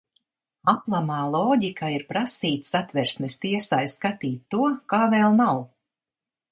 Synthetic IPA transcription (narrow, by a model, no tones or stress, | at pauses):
aplˠamaːlˠɔːɟikaiɾpɾasiːt̪sat̪vɛɾsnɛst̪iɛsaːjskat̪iːt̪ːuɔkaːvɛːlˠnaw